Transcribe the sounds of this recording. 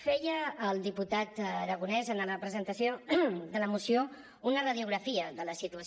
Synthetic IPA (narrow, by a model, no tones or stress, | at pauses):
fɛjəːlˠd̪iput̪at̪ɾəɣ̞unɛzənərəpɾəzənt̪əsiod̪ələmusio | unərəðiuɣɾəfiəðələsit̪uə